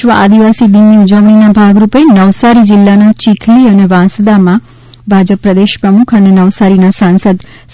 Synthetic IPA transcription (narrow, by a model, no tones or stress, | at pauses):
ʋəʔa̰d̪iʋasid̪imiud͡ʒəʋɳ̃inabʱaɡɾupenəʋsaɾid͡ʒɪlːanat͡ʃikʰliəneʋãsd̪amã | bʱad͡ʒəpːɾəd̪eʃpɾəmukʰənenəʋsaɾinasãnsəd̪ | s